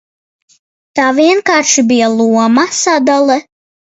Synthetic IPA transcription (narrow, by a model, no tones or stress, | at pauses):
t̪aːviɛnkaːɾʃibijalˠuɔmasad̪alˠɛ